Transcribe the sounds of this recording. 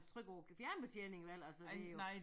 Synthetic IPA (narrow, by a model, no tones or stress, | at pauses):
t͡sʰʁœɡ̥ɒʊ̰fjæɐnb̥et͡sʰjeːne̝ŋiʋæl̰ælsə̥ejo